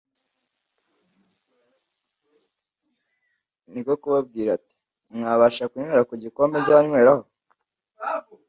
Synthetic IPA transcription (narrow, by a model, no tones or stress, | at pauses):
niko̞kuβab̚ɡiːɾati̥ | mŋaːβaʃakuɲweːɾakuɟiko̞mbeɟaaɲwe̞ːɾaho̞